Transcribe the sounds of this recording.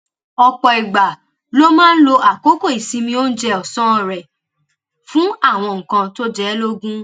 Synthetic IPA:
ɔ˧k͡pɔ˨i˨ɡ͡ba˨ | lo˦mãː˦n̩˦lo˧ʔa˨ko˦ko˦˨i˨sĩ˧mĩ˧o˦n̩˦d͡ʒɛ˧˦ɔ˨sɔ̃˦ɔ˨ɾɛ˨ | fũ˦a˦˨w̃ɔ̃˧ŋ̩˨kã˧to˦d͡ʒɛ˦lo˦ɡũ˦

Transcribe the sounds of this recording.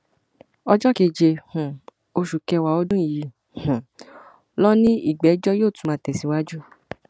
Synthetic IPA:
ɔ˧d͡ʒɔ˦ke˧˨d͡ʒe˧hũ˨ | o˧ʃu˨kɛ˧wa˨o˦dũ˦i˨ji˨˧˦ | hũ˨ | lɔ˦nĩ˦i˦˨ɡ͡bɛ˨˦d͡ʒɔ˦joː˦˨tu˨˦mã˧˦tɛ˨si˨˧˦wa˦d͡ʒu˦

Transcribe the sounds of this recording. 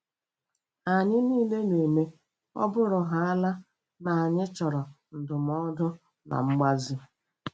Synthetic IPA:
a˨ɲɪ˦niː˦le˦ne˨me˦ | ɔ̰˦bʊ˦ɾʊ˨ɦa˨a˦la˦ | na˨a˨ɲɪ˦t͡ʃɔ˨ɾɔ˨ | n̩˨dʊ˨m˨ɔ˦dʊ˦ | na̰˨ŋ͡m̩˦ɡ͡ba˦zi˦

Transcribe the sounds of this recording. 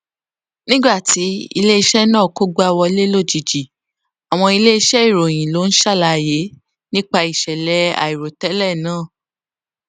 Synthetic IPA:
nĩ˦ɡ͡ba˦˨ti˨˦ḭ˧le˦i˧ʃɛ˦nãː˦˨ko˦ɡ͡bo˦a˧wɔ˧i˧le˦lo˦˨d͡ʒi˨d͡ʒi˨ | a˨w̃ɔ̃˧i˧le˦i˧ʃɛ˦i˦˨ɾo˨j̃ĩ˨lo˨˦n̩˦ʃa˦˨la˧˨je˨˦ | nĩ˦k͡pa˧i˨ʃɛ˨lɛ˨˦a̰˨i˨ɾo˨tɛ˨˦lɛ˦˨nãː˦˨

